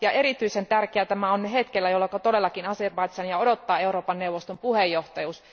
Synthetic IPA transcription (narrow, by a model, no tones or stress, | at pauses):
jɑʔe̞ɾit̪yisent̪ærkeæt̪æmæonyɦet̪kelːæjolːɑkɑt̪odelːɑkinɑserbɑit̪sɑnjɑo̞dot̪ːɑːe̞uɾo̞ːpɑnːeuʋːost̪ompuhejːoht̪ɑjuːs